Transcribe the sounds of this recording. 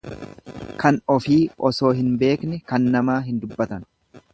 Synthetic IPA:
kɐnɔfiːɔso̞ːɦɪnbe̞ːknɛkɐnːɐmaːɦɪnd̪ʊbːɐt̪ɐn

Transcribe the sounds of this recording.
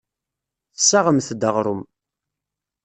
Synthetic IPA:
θəsːaʁəmθd̪əʁɾˤʊm

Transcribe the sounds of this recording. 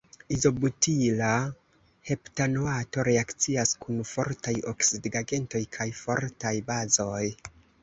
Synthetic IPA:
izo̞butila | he̞ptanoato̞ɾeakt͡siaskunfo̞̰ɾtajo̞ksidɡaɡe̞nto̞jkʰajfo̞̰ɾtajbazo̞j

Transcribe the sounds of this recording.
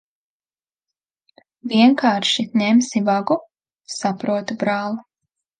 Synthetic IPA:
viɛŋkaːɾʃinʲemsivaɡu | sapɾuɔt̪ubɾaːlˠu

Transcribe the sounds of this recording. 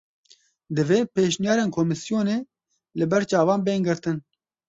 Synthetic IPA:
d̪ɨveːpeːʃnijɑːɾeːnkʰoːmɨsijoːneː | lɨbɛɾt͡ʃɑːvɑːnbeːŋɡɨɾt̪ɨn

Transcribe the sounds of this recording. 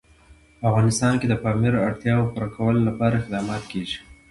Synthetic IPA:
pəafɣɑnɪst̪ɑnked̪əpɑmiɾoaɽt̪jɑwpuɾakʰawəlolapɑɾaɪxd̪ɑmɑt̪keʒi̥

